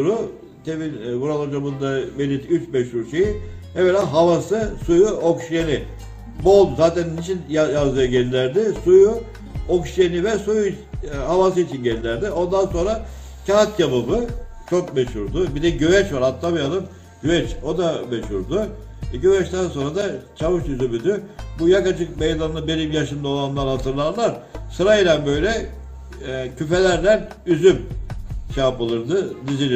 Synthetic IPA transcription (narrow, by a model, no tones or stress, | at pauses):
ɾu | t̪ʰevinbuɾalˠad͡ʒabɯnd̪avelʲit̪yt͡ʃmɛʃhuɾʃeji | evelʲaːɦavasɯsujuokʃjenɪ | bolˠzaːt̪ʰænnit͡ʃʰinjajazd̪ɯjaɟelʲilʲæɾd̪ɪsuju | okʃjenivɛsuju | havas̬ɯit͡ʃʰinɟelʲilʲæɾd̪io̞nd̪anso̞nɾa | cʰat̪jababɯt͡ʃʰo̞kmeʃhuɾd̪ʊbid̪ɛɟøvɛt͡ʃvaɾat̪ʰːabijad̪ˠɯm | ɟ̥øvɛt͡ʃo̞d̪ameʃuɾd̪ʊ | ɛɟøvɛt͡ʃt̪ænso̞nɾad̪at͡ʃʰavɯʃyzymyd̪ybujakat͡ʃʰɯk̚mejd̪anːˠɯbeɾimjaʃɯmd̪ao̞lˠanlˠaɾhat̪ʰɯɾlˠaɾlˠaɾsɯɾajiɾʲanbø̞jlʲɛ | cʰyfe̞lʲæɾlʲæn | yzymt͡ʃaːpɯlˠɯɾd̪ɯd̪izilʲ